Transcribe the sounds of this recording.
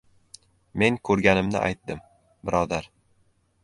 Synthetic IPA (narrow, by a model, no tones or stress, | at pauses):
me̞ŋkʰɵɾɡʲanɪmnɪ̰ʔa̰jt̪̚d̪ɪm | bɪɾʔɒd̪aɾ